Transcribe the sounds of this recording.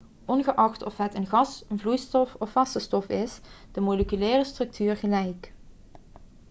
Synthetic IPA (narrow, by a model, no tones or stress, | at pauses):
ʔɔnɣəʔɑχtɔfɦətənɣɑsənvlujstɔfɔfɑsəstɔfɪsd̥əmɔləkylɛːrəstrɵk̚tʰyːrɣəlɛjk